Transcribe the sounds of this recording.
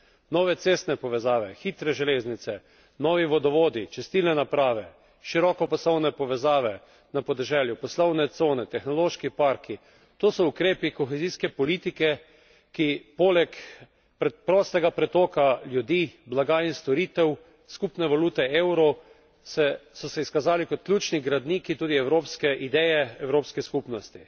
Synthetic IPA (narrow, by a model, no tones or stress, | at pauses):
nɔʋɛt̪seːst̪nɛpɔʋɛzaːʋɛxiːt̪ɾɛʒɛleːznit̪sɛ | nɔːʋiʋɔd̪ɔʋoːd̪it͡ʃɛst̪ilnɛnapɾaːʋɛ | ʃiɾɔkɔpɔslɔwnɛpɔʋɛzaːʋɛ | napɔd̪ɛʒɛːljupɔslɔwnɛt̪soːnɛt̪ɛxnɔloʃkipaɾki | t̪oːsɔukɾeːpikɔxeziːskɛpɔliːt̪ikɛ | kipoːlɛk | pɾɛpɾɔːst̪ɛɡapɾɛt̪ɔːkaljud̪iːblaɡaːinst̪ɔɾiːt̪ɛw | skupnɛʋaluːt̪ɛewɾɔ | sɛsɔsɛiskazaːlikɔt̪̚kljuːt͡ʃniɡɾad̪niːkit̪uːd̪iɛwɾoːpskɛʔid̪ɛjɛɛwɾoːpskɛskupnɔst̪i